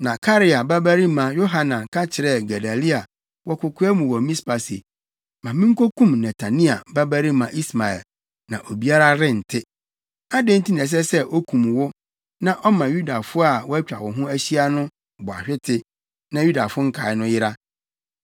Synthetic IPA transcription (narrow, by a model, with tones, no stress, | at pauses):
nã˨kʰa˦ɾɪ˦a˨ba˦bæ˦ɾi˦mã˨jo˦ɦa˨nã˨kʰa˦t͡ɕʰɪ˨ɾɛ˦˨ɡa˨da˨li˦a˨ | wɔ˦kʰʊ˨kʰʊ˦ɛ˦mũ˨wɔ˨mĩ˦spa˨sḭ˨ | mã˨mɪ̃˦ŋ̩˦kʰo˦kʰũ˦˨mnɛ˨tʰa˨nĩ˦a̰˨ba˦bæ˦ɾi˦mã˨ʔi˦sma˨ɛ̰˨l | nã˨ʔo˨bi˦a˦ɾa˦ɾɪ̃˦n̩˨tʰɪ˦ | a˦dẽ˦n̩˦tĩ˦n˨ɛ̃˨s̬ɛ˦sɛ˦ʔo˦kʰũ˨m˨wʊ˦ | nã˦ʔɔ˦mã˨ju˦da˨fʊ˦a˨wɔ˦æ˦t͡ɕᶣa˨wɔ˨ɦʊ̃˦æ˦ɕi˦a˦nʊ̃˦ | bʊ˨a̰˨ɕᶣɪ˦tʰɪ˦ | nã˨ju˦da˨fʊ˦ŋ̩˦kʰa˨˦ɪ˦nʊ̃˦jɪ˦ɾa˦